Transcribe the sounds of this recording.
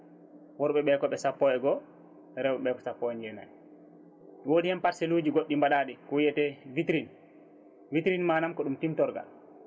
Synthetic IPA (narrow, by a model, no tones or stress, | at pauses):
wɔɾɓɛɓɛːkɔɓɛsapːɔɛɡɔ | ɛɾɛwɓɛɓɛːkɔ̥sapːɔɛɲd͡ʒɛna̰j | woːdihɛmpaɾsɛlud͡ʒiɡoɗːimbaɗaɗɛkɔwijɛtɛvitɾin | vitɾinmaːnamkɔɗumtimtɔɾɡa̰